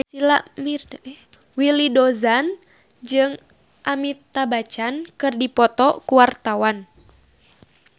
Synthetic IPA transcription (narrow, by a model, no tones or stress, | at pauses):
silaʔmir | wilidɔzan | d͡ʒɨŋ | ʔamit̪ːabat͡ʃankɨrdipɔt̪ɔkuwart̪awan